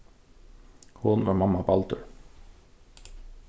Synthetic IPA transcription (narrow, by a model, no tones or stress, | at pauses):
hʊnʋɑ̰ːɾmɑmɑbɑlt̪ʉ̰ɹ